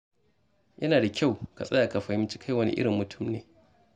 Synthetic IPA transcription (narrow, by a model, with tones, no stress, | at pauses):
jɐ˦naː˨da˨kʲʰa˦˨wka̰˨sʼɐ˦jaː˨ka˨ɸa˨jɪ˦t͡ʃi̥˦kʰa˦˨jwɐ˦nḭ˦ʔɪ̰˦ɽɪ˨mːʊ˨tʰʊ˦˨mneː˨